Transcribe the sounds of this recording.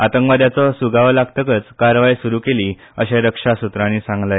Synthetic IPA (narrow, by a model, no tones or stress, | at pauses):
at̪əŋkʋad̪jat͡sɔsuɡaʋlaɡ̚t̪əkət͡skaɾʋajsuɾuːkeliː | əɕãɾəkʂasut̪ɾãñiːsãŋɡla